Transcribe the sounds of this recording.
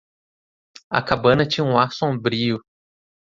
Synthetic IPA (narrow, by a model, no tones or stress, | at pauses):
ɐ̰kabɐ̃nɐt͡ʃĩɲɐũaɾsõbɾiʊ